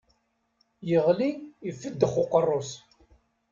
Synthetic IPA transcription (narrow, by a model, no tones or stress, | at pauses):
jəʁliifːəd̪ːəχʊqərˤːʊs